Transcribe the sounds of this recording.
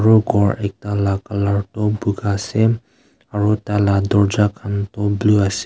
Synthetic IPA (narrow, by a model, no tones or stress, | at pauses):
aɹɔɡʱɔɹɛk̚talakalaɹtɔbuɡasɛ | aɹɔtalad̪ɔɹd͡ʒakʰantɔbluasɛ